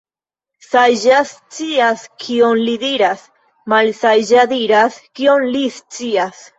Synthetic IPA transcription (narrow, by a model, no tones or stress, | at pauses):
sajʒast͡siaskʰio̞nlidiɾas | malsajʒadiɾaskio̞nlist͡sias